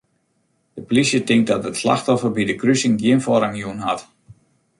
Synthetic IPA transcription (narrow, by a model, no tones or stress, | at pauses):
dəplisjətɪŋk̚dɔtətsla̰xtɔfərbidəkrysɪŋɡjɪənfɔɾaŋjuənɦat